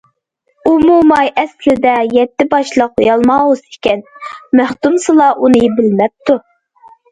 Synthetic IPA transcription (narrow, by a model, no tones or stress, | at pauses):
umumɑjɛslɪd̪ɛjɛt̪ːɪbɑʃlˠəqjɑlˠmɑwusɪ̥kʲɛnmæhk̪umsɨlˠɑʔunɨbɪlmɛp̚t̪ʰu